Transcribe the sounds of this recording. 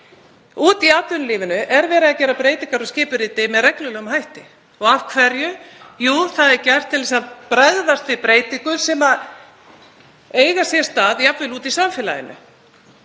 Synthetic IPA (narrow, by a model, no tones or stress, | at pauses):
uːt̪iaːt̪lʏnliːvɪnʏʔɛɾvɛːɾɪðacɛːɾapɾeːjt̪iŋkaɾɔscɪːpʏɾiːt̪ɪmɛðrɛklʏlœːɣʏmhajht̪ɪ | ɔɣafkʰvɛɾjʏjuːθaðɛɾcɛr̥t̪ʰːɪlɛsaðpɾɛððast̪vɪpɾeːjt̪iŋkʏsɛma | eːjɣasjɛst̪aːðjapvɪluːt̪isamfɪːla̰jɪ̰nʏ̰